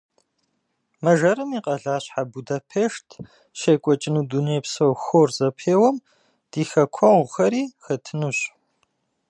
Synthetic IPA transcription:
mɐʒɐɾɨmiqʼɐɮaːɕħabudɐpʰeːʂtʰ | ʃeːkʷʼɔt͡ʃʼɪnuːdunejpsɐwxoːrzɐpʰeːwɐm | d̥iːxɐkʷʰɔʁʷʊxɐɾiːxɐtʰɨnuɕ

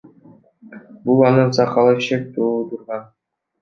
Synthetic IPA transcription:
bulˠɑnɯnzɑqɑlˠɑʃek̚t̪ʰuːlˠut̪uɾʁɑn

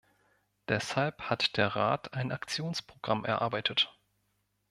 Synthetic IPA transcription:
d̥ɛshalphatd̥eːɐʁa̰ːtʰaɪnʔakt͡sjoːnspʁ̥oɡ̥ʁamʔɛ̰ɐʔa̰ɐbaɪtʰət

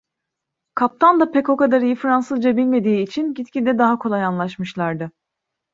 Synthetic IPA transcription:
kʰap̚t̪ʰand̪apɛco̞kad̪aɾijɯfɾansɯzd͡ʒabilʲme̞d̪iːt͡ʃʰinɟit̪cʰʲid̪ɛd̪aɦakʰo̞lˠajanlˠaʃmɯʃlˠaɾd̪ɯ

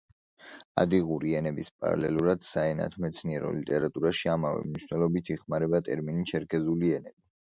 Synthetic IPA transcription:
a̰d̪iʁuɾiɛnɛbispʼa̰ɾa̰lɛ̰lˠuɾad̪̥saɛna̰t̪ʰmɛt̪sʰniɛɾɔ̰lit̪ʼɛɾat̪ʼuɾaʃiamavɛ̰mniʃwnɛlˠɔbit̪ʰiχmaɾɛbat̪ʼɛɾminit͡ʃʰɛɾkʰʼɛzuliɛnɛbi

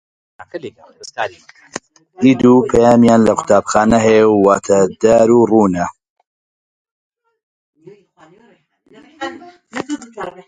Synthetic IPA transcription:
diːd̪uːpʰɐjaːmjaːnlɐkʰʊ̥t̪ʰaːbxaːnɐɦɐjɛwːaːt̪ʰɐd̪aːɾuːruːnɐ

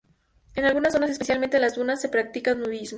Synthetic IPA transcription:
enalɣunasːo̞nase̞spe̞sjalment̪elazdunasːe̞pɾak̚t̪ikaunuðizmo

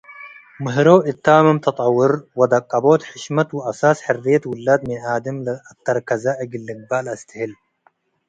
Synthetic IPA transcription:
mɨɦɾoːʔɪt̪ːaːmɐmt̪ʰɐt̪ˤʼɑwːʊɾwɐd̪ɐkʼːɐboːt̪ħɪʃmɐt̪wɨʔɐsaːsħɪrːijɐt̪wʊlːaːd̪mɪnʕaːd̪ɐmlɐɐt̪ːɐɾkɐzɐʔɐɡɪlːɨɡ̚baːlɐst̪ʰɨhɪl

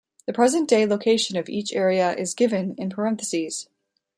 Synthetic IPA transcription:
ðɨpʰɹ̥ɛzɨ̃nd̥eɪlˠoʊkʰeɪʃɨ̃nʌvḭt͡ʃɛɹiɨʔɪzɡɪvɨ̃nɨ̃npʰə˞ɛ̃θɨsiz̥

